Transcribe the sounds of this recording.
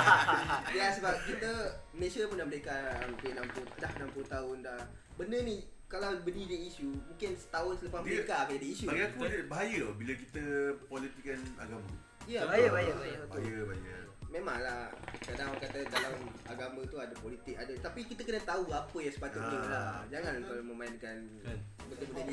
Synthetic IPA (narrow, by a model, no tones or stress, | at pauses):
lasəbap̚kit̪əmənesiəpʊndaməɾekampiʔnãmpudahnãmpulut̪aʊnda | bəndənihkalawbənidiŋisumũkɪnsə̥t̪aʊnsəlapasməɾekakəɲadiisubaɡiakubaɦajəbiləkit̪əpolit̪ikanaɡamə | ijabaajəbajəbajətb̪jəbajə̰mẽmãŋlahkadaŋkat̪ədalamaɡamə̃t̪uadəpolit̪ɪk̚adət̪apikit̪əkənət̪auapəjaŋsə̥pat̪ʊulad͡ʒaŋankalamə̃maɪnkan | bəndəbədani